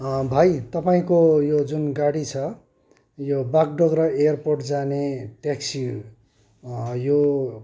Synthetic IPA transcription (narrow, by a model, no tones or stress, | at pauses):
bʱajt̪ʌpaĩkojod͡zunɡaɽit͡sʰʌ | jobak̚ɖʌɡrʌejʌrporʈd͡zaneʈeksi | jo